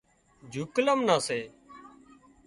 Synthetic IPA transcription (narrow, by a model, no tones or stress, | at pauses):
d͡ʒʱuːkləmnaːseː